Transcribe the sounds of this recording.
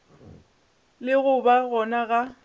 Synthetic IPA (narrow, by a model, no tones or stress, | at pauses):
lɪɣʊbaɣɔnaɣa